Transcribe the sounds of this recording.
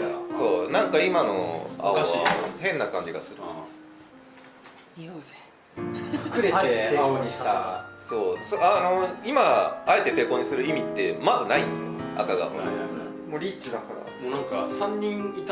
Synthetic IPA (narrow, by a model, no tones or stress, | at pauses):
so̞ːnãŋkaimano̞̰a̰oa̰hẽ̞nːakãɲ̟d͡ʑiɡasɨɾɯ | oe | ɨ̥kɯ̟ɾe̞eaoɲ̟iɕi̥t̪aso̞ːsoano̞imaae̞t̪e̞se̞ːko̞ɲ̟ːisɨɾɯ̟imʲit̪ːe̞mazɨnaia̰kaɡa̰mo̰ | moɾʲiːt͡ɕid̪akana̰ | nãŋkasãɲ̟ːĩŋit̪